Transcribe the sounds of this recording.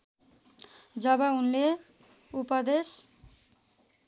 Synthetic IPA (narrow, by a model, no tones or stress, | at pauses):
d͡zʌbaunle | upʌd̪es